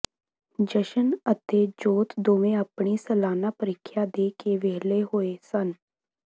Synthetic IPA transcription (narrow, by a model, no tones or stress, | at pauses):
d͡ʒəʃənət̪eːd͡ʒoːt̪d̪oːʋẽːəpɳiːsəlaːnaːpəɾɪkʰːjaːd̪eːkeːʋeːleːɦoːeːsən